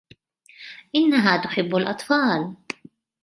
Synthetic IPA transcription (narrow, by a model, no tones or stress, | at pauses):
ʔɪnːaɦaːt̪ʊħɪbːalʔɑt̪ˤfɑːl